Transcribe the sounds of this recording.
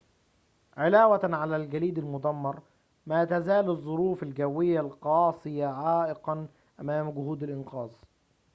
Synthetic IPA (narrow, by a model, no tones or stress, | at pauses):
ʕɪlaːwaʕalaːlɡaliːd̪almʊd̪ɑmːɑɾˤ | maːt̪azaːlɨzˤːʊɾuːfalɡawːɪjːalqɑːsˤɨjaʕaːʔɪqɑn | ʔamaːmɡʊhuːd̪ɪlʔɪnqɑːzˤ